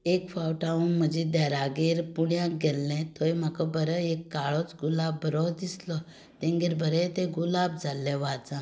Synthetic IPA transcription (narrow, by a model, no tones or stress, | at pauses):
ekfawʈaũnməd͡ʑĩd̪aɾaɡeɾpuɽjãkɡɛlːɛ̃t̪ojm̤akɔbəɾəekːaɭɔt͡sɡulabːəɾɔd̪islɔ | t̪ɛ̃ŋɡeɾbəɾɛ̃t̪ɛ̃ɡulab̚d͡zʱalːɛ̃ʋad͡zã